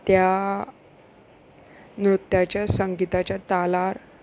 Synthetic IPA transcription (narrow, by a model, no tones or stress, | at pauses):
t̪ja | nɾut̪jat͡ɕjasəŋɡit̪at͡ɕjat̪alaɾ